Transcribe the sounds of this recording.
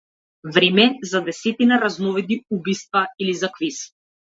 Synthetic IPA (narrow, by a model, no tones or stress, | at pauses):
vɾɛmɛzad̪ɛsɛt̪inaɾaznɔvɛd̪̚niubijst̪vailizakvis